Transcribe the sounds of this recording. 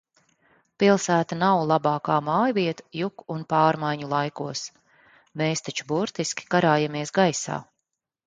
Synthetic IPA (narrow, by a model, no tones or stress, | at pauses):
pilˠsæːt̪anawlˠabaːkaːmaːjviɛt̪ḁjukunpaːɾmajɲulˠajkuɔs | meːst̪at͡ʃubuɾt̪iskʲi̥kaɾaːjamiɛsɡajsa̰ː